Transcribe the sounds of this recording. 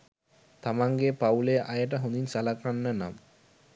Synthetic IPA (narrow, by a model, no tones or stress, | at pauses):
t̪amaŋɡepawleʔajəʈ̬aɦond̪insalakanːɐna̰m